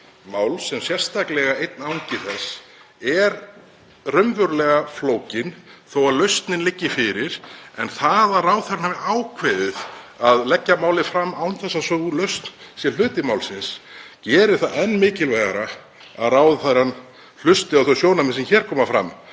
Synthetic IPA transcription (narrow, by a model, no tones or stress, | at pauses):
maːwlsɛmsjɛr̥st̪ʰaklɛɣaejt̪̚nawɲcɪθɛsː | ɛɾ | rœmvʏɾlɛɣafloːwcɪnθowaðlœɥst̪nɪnlɪcːɪfɪɾɪɾ̥ɛnθaðaðraːwðθaɾanavɪaːwkʰvɛːðʏðaðlɛcːamaːwlɪfɾamːaːwnθɛsːasœɣlœɥst̪nsjɛlʏːt̪ɪmawlsɪnscɛːɾɪ̥θaðɛnːmɪːcɪlvɛːɣaɾa | a̰ðraːwðθaðɾanː | l̥ʏst̪ɪawθowsjoːwnamɛnsɛmçɛːɾ̥kʰɔːmafɾa̰mː